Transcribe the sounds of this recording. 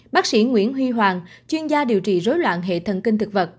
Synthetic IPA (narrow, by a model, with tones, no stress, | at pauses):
ɓaː˦˥k̚sḭ˧˩ŋwḭ˧˥ənɦwi˧ɦwaː˨˩ŋt͡ɕwi˧ənzaː˧ɗi˨˩əwt͡ɕḭ˧˨˩zo˨˦jlwa̰ː˧˨nɦḛ˧˨t̪ʰə˧˩nki˧ŋt̪ʰɨ˨˩k̚və˨˩t̚